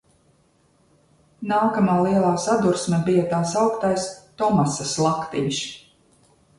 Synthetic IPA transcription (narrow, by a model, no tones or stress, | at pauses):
naːkamaːlˠiɛlˠaːsad̪uɾsmʲɛbijat̪aːsawkt̪ajst̪ɔmasaslˠakt̪iɲʲʃ